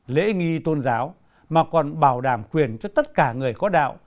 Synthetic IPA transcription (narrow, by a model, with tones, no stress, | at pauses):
lḛ˧˥ŋi˧t̪o˧nzaː˨˦w | maː˨˩kɔ˨˩nɓaː˧˩wɗaː˧˩mkwi˨˩ənt͡ɕɔ˧t̪ə˦˥t̚kaː˧˩ŋɨ˨˩əjkɔ˨˦ɗa̰ː˧˨wʔ